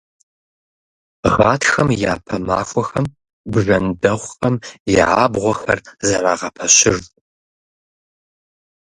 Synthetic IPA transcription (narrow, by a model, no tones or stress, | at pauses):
ʁɑːtʰxɐmja̰ːpʰɐma̰ːxʷɔxɐm | bɨʒɐndɐʁʷqʼɐmjɪʕaːbʁʷɔxɐrzɐɾaːʁɐpʰɐɕɪr